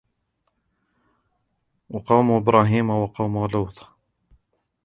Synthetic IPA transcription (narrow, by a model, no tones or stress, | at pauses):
wɑqɑːmuʔɪbɾˤɑːɦiːmawɑqɑːmuluːt̪ˤ